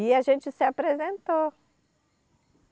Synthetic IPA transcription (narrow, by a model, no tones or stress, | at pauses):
iaʒẽnt͡ʃɪsɪapɾezẽnt̪o